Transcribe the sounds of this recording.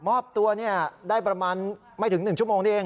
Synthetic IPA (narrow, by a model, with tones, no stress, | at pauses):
mɔː˥˩p̚t̪u˧ɐni˥˩ɐdaː˥˩jpɾa˧maː˧n | ma˥˩j̪t̪ʰɯ˩˦ŋnɯ˨˩ŋt͡ɕʰu˥˩moː˧ŋʰi˥˩ʔeː˧